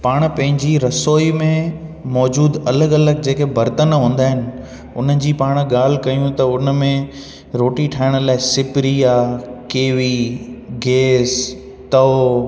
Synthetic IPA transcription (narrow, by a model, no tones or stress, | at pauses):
paːɽ̃pɐ̃ɦɪ̃ɲd͡ʑiɾɐsoːimẽmɔːd͡ʑuːd̪ɐləɡɐləɡ̚d͡ʑeːkʰebʱɐɾt̪ənɦũːn̆d̪aːɦɪnɪ̆ | ʊn̤əd͡ʑiːpaːɽ̃ɠaːl̤ɪkɐjũt̪ɐʊnəmẽ | ɾoːʈiʈʰaːɪɽ̃laːɪsɪpɪɾiaːkeːʋiɡeːs | t̪ɐo